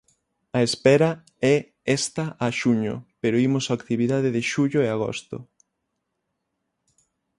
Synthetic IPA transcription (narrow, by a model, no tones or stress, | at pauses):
ɐespɛɾɐ | ɛ | ɛst̪ɐʔaʃuɲo̰peɾoimʊsaakt̪iβiðað̞eðeʃuʎʊeaɣo̰st̪ʊ̰